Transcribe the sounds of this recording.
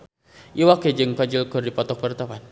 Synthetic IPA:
ʔiwaked͡ʒɨŋkad͡ʒilkʊrdipɔt̪ɔk̚pərt̪apan

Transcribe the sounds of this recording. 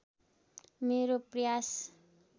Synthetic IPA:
meɾoprʌjas

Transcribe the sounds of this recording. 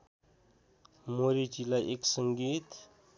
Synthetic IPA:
moɾit͡ʃilaʔeksəŋɡit̪

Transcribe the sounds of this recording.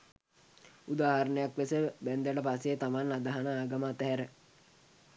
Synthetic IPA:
ud̪aːhɐɾənəjakʋesəbænd̪əʈəpaset̪amanːad̪əɦanəaːɡaməːt̪əɦæɾə

